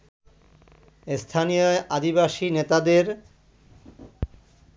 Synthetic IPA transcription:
st̪ʰanijoʔad̪ibaʃinet̪ad̪eɾ

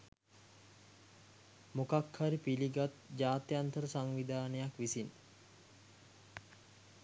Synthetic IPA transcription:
mokakhaɾipiliɡat̪d͡ʒaːt̪jant̪əɾəsaŋʋid̪aːnəjakʋisin

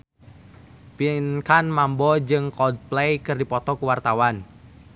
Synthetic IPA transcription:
pinkanmambɔd͡ʒɨŋkɔd̚plejkɨrdipɔt̪ɔkuwart̪awan

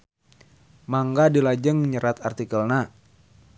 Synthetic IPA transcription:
maŋɡadilad͡ʒəŋɲəɾat̪art̪ikəlna

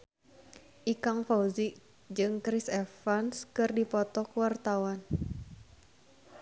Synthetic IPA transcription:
ʔikaŋfauziʔ | d͡ʒɨŋkɾisɛfanskɨrdipɔt̪ɔkuwart̪awan

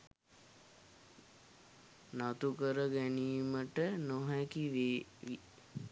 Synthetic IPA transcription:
nat̪ukəɾəɡæniːməʈənoɦækiʋeʋi

